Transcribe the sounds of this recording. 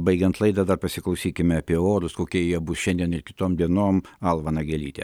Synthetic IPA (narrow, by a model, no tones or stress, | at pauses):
bɐɪɡʲɛnt̪lˠɐɪd̪ɐd̪ɐrpɐsʲɪklˠɐʊsʲiːkʲɪmʲɛɐpʲiɛoːɾʊskoːkʲiɛjiɛbʊsʃʲɛnʲd̪ʲiɛnɪrkʲɪ̥t̪oːmd̪ʲiɛnoːmɐlˠʋɐnɐɡʲɛlʲiːt̪ʲḛ